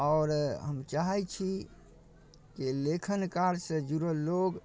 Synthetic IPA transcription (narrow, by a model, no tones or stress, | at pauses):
ɔːɾɦəmt͡ʃaɦat͡ʃʰi | kelekʰənkaɾsə̃d͡ʒuɾoloɡ